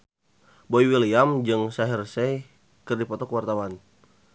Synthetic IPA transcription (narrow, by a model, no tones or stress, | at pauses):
boiwiliamd͡ʒɨŋsaɦirsɛj | kɨrdipɔt̪ɔkəwart̪awan